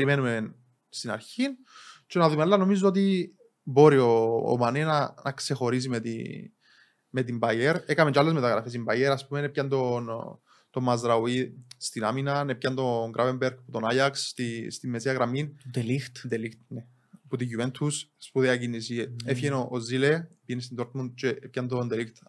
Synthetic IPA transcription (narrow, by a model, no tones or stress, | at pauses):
eɾimenumen | st̪inɐɾçin | t͡ʃenɐðumealːɐno̞mizoot̪̬i | bo̞ɾio̰ːmɐnenɐnɐkse̞xo̞ɾis̬imet̪ḭ | me̞t̪̬imbɐjeɾekɐmet͡ʃalːezmet̪ɐɣɾɐfes̬imbɐjeɾɐspumenepçɐnt̪on | t̪o̞mɐzɾɐwist̪inaminɐnepçɐnt̪o̞ŋɡɾʔavembeɾɡ̚put̪onajɐkst̪ist̪imːesiɐɣɾɐmind̪elixt̪d̪elixt̪ne | put̪iʝuvent̪ʰusspuðeɐc̬inisiefçenoʔːzilepiʝenist̪ind̪oɾt̪mund̪̚t͡ʃeepçɐnd̪ond̪elixt̪